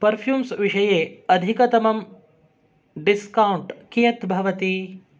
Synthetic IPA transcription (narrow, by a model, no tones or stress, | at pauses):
pɐɾpʰjuːmsʋiʃɐjeːɐd̪ʱikɐt̪ɐmɐm | ɖiskɐwuɳʈkijɐt̪bʱɐʋɐt̪i